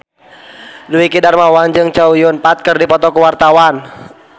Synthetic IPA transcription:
duikidarmawand͡ʒɨŋt͡ʃaujʊnpat̪̚kɨrdipɔt̪ɔkuwart̪awan

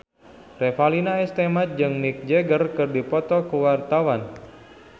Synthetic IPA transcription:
refalinaest̪emat̪̚d͡ʒɨŋnik̚d͡ʒeɡərkɨrdipɔt̪ɔkuwart̪awan

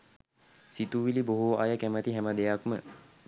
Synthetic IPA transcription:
sit̪uʋiliboɦuʔajəkæmət̪iɦæməd̪ejakmə

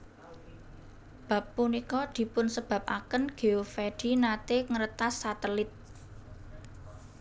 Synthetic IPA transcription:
b̥ä̤pːunikɔd̪̥i̤pʊnsəb̥a̤p̚ʔa̰kənɡ̥e̤ofeɖ̥i̤nat̪eŋəɾət̪asːat̪əlɪt̪̚

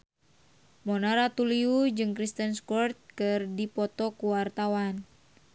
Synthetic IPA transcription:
mɔnaɾat̪uliud͡ʒɨŋkɾist̪ənskɔrt̪̚kɨrdipɔt̪ɔkuwart̪awan

